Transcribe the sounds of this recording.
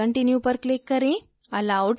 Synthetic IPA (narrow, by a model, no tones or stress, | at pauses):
əɳʈinjupəɾklikːəɾẽ | əlawɖ